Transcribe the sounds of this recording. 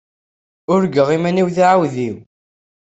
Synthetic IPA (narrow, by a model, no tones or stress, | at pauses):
ʊɾɡəʁimæniwθiʕawðiw